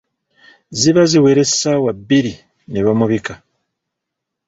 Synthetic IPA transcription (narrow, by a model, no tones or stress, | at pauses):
ziβaziwe̞ɾe̞sawabːiɾi | neβamuβika